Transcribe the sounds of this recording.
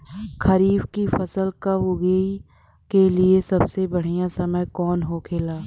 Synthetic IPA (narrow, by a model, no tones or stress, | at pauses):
kʰɐɾiːbkifɐsəlkaʋʊɡei | keliesɐbsebɐɽ̤ijãsɐməkɔːnɦoːkʰeːlaː